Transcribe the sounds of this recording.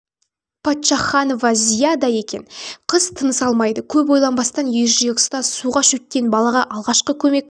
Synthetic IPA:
pʰɑt̪ʃɑχɑno̞vɑzijad̪ɑje̞kʲe̞̰nqʰəzt̪ʰənəsɑlˠmɑjd̪əkʲʰɵp̬wo̞jlˠɑnbɑst̪ɑnjeʒijekst̪ɑsuʁɑʃɵt̪̚kʲe̞nbɑlˠɑʁɑʔɑlˠʁɑʃqəkʲʰɵme̞k̚ʲ

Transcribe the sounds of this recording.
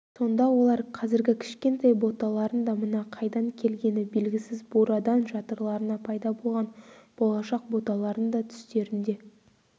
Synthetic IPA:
so̞nd̪ɑwo̞lˠɑɾqʰɑzɪɾɡʲɪkʲʰɪ̥ʃkʲe̞nt̪ɑjbo̞t̪ɑlˠɑɾənd̪ɑmənɑqʰɑjd̪ɑŋkʲʰe̞lɡʲe̞nɪbe̞lɡʲɪsɪzboɾɑd̪ɑnʒɑt̪əɾlˠɑɾənɑpʰɑjd̪ɑbo̞lˠʁɑnb̥o̞lˠɑʃɑq̚bo̞t̪ɑlˠɑɾənd̪ɑt̪ʰʏ̥st̪e̞ɾɪnd̪e̞

